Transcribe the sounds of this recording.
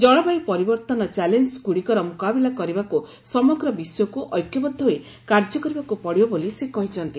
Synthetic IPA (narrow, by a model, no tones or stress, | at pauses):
d͡ʒɔɭ̃ɔbajpɔɾibɔɾt̪ɔnɔt͡ʃalenskuɽikɔɾɔmukabilakɔɾibaku | sɔmɔɡɾɔbisɔjɔkuʔɔjkjɔbɔd̪ʱːɔɦe | kaɾd͡ʒɔkɔɾibakupɔɽibɔbolisekɔɦit͡ʃʰɔnt̪i